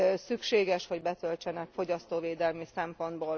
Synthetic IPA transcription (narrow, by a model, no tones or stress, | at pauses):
sykʃeːɡɛʃho̞ɟbɛt̪ølt͡ʃɛnɛkfo̞ɟɒst̪oːveːd̪ɛlmisɛmpo̞nd̪boː